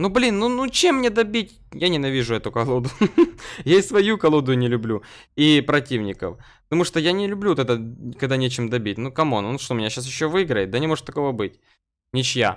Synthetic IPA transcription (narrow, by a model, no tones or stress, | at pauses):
nublʲinːunut͡ɕemːnʲed̪ɐbʲitʲ | janʲɪnɐvʲiʐʊɛt̪ʊkɐlˠod̪ʊ | jaɪsvɐjukɐlˠo̞d̪ʊjʊnʲɪlʲʊblʲu | ipɾɐtʲivnʲɪkə̰fpə̥t̪ɐmuʂt̪ojanʲɪlʲʉblʲuot̪ɛt̪əkɐɡd̪anʲet͡ɕɪmd̪ɐbʲit̚ʲnukɐmonnuʂt̪omʲɪnʲaɕːasjɪɕːovɨɪɡɾəjɪt̪d̪ɐnʲɪmo̞ʐɨt̪ːɐko̞vəbɨtʲ | nʲɪt͡ɕja̰